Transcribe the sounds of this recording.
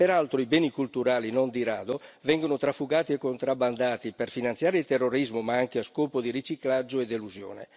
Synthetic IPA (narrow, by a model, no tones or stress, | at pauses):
peɾalt̪ɾoibɛːnikult̪uɾaːlinond̪iɾaːd̪ovɛŋɡonot̪ɾafːuɡaːt̪iɛkːont̪ɾaband̪aːt̪iperfinant̪sjaːɾeilt̪erːoɾizmomaaŋk̟easkɔːpod̪iɾit͡ʃiklad͡ʒːoed̪eluzjo̰ːnḛ